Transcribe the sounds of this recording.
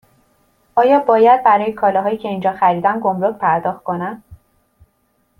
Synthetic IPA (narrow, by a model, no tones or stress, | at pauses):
ʔɒːjɒːbɒːjæd̪̚bæɾɒːjekʰɒːlɒɦɒːjiːcʰe̞iːnd͡ʒɒːxæɾiːd̪æmɡo̞mɾocpʰæɾd̪ɒːxt̪̚kʰo̞næm